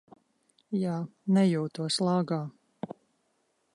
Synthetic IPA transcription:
jaːnɛjuːt̪uɔslˠɑːɡaː

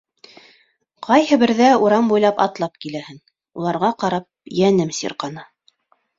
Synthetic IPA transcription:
qɑjhɤ̆bɘ̆ɾðæuɾɑmbujlˠɑpɑ̰t̪lˠɑp̚kilæhɘn | ulˠɑɾʁɑqɑɾɑp̚jænɘmsḭɾqɑnɤ

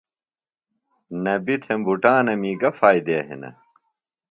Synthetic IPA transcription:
nɐbit̪ʰembuʈaːnɐmiːɡɐfaːjd̪eːɦḭnɐ̰

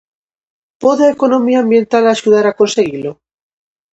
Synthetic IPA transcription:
poðekonomiambje̞nt̪alaʃuð̞aɾakonseɣilo

